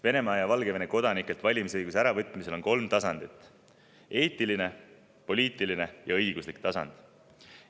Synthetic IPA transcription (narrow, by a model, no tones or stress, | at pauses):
ve̞ne̞mɑɑjɑvɑlɡe̞veneko̞d̪̥ɑnikːˑelt̪vɑlʲimisɤjɡusæɾɑvɤt̪ːˑmise̞lo̞nko̞lmt̪ɑsɑnd̪̥it̪ːˑ | e̞ːt̪ːˑiline̞ | po̞liːt̪ːˑiline̞jɑɤ̞jɡ̥uslikt̪ɑsɑ̰nd̪̥